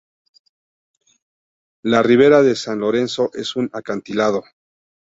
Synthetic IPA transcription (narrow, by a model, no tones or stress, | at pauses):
lariβ̞e̞ɾaðe̞sanlo̞ɾe̞nso̞ʔe̞sunakant̪ilaðo̞